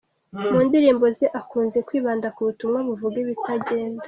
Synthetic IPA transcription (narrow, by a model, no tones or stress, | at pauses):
muːndiɾiːmbo̞zeʔakuːnze̞kwiːβaːndakuβutumŋaβuvuɡeβitaɟe̞ːndḁ